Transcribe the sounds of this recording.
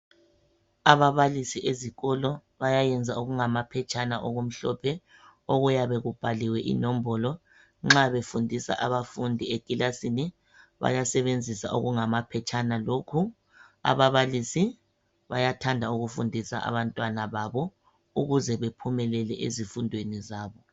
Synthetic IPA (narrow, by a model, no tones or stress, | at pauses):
aβaβalisiʔeziɣɔlɔβajajɛnd͡zʱauɣuŋamapʰɛt͡ʃʼanaʔɔɣom̩ɬɔ̰pʰɛ | oɣujaβeɣub̥ʱaliwɛʔḭnom̩bɔlɔ | ŋ͡ǁaβefundʱisa̰ʔaβafundʱiekʼilasini | βa̰jasɛβend͡zʱisa̰ʔo̰ɣuŋamapʰɛt͡ʃʼanalokʰu | a̰βaβalisi | βajatʰandʱauɣufundʱisa̰ʔa̰βantʼwanaβaβɔ | uɣuzɛβepʰumɛlɛlɛʔezifundʱwenizaːβɔ